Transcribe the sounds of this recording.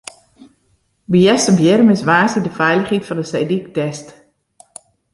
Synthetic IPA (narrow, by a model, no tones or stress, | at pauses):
bijɛstəmbjɪɾəmɪsʋaːsidəfɛjləχhitfɔndəsejdik̚tɛst